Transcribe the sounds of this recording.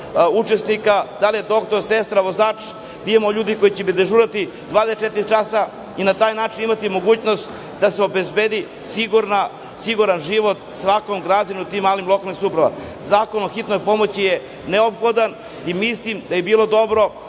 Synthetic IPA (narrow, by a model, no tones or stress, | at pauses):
ut͡ʃe̞snikad̪alijed̪o̞kt̪o̞ɾsest̪ɾaʋozaːt͡ʃ | d̪iemoʎuːd̪iko̞jit͡ɕebid̪eʒuːɾat̪i | d̪ʋaːd̪est͡ʃet̪iɾt͡ʃasa | inat̪aːjnaːt͡ʃinimat̪imo̞ɡuːt͡ɕnost̪ | d̪aseo̞be̞zbeːd̪i | siɡuɾna | siɡuɾanʒiʋo̞t̪sʋako̞mɡɾad͡ʑanut̪imːaːlimlo̞kalnixsupɾaʋa̰m | zaːko̞noxit̪no̞jpo̞mo̞t͡ɕije | neopxo̞d̪an | imislˠimd̪ajebiːlˠo̞d̪o̞bɾo̞